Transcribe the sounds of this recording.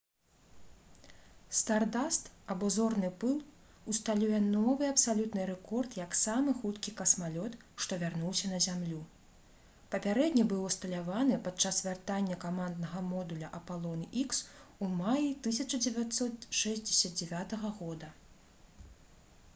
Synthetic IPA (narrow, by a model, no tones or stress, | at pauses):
st̪ard̪ast̪ɐbɔzɔrnɨpɨlˠ | ust̪alʲujɛnɔvɨɐpsalʲut̪nɨɾɛkɔrt̪jɐksamɨxut̪kʲikɐsmalʲɔt̪ | ʂt̪ɔvʲarnuwsʲɐnɐzʲamlʲu | pɐpʲaɾɛd̪ʲnʲɐbɨwɔst̪ɐlʲavanɨpat̪t͡ʂːasvʲart̪anʲːɐkamand̪nɐɣɐmɔd̪ulʲɐʔɐpalˠɔnɨʔiksumajit̪ɨsʲɐt͡ʂɐd͡zʲɛvʲat̪sɔt̪ʂɛzʲd͡zʲɛsʲɐd̪̚d͡zʲɛvʲat̪ɐɣɐɣɔd̪ɐ